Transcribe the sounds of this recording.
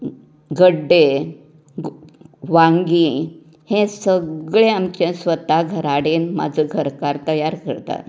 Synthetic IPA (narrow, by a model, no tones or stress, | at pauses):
ɡʱəɖːe | ʋãŋɡi | hẽsəɡɭẽamt͡ɕẽsʋət̪aɡʱəɾaɽenma̰d͡zʱəɡʱəɾkaɾt̪əjaɾkə̰ɾt̪a̰t̪